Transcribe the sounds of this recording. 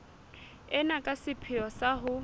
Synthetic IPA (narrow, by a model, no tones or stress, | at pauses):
ɛnakʼasɪpʰɪɔsaɦʊ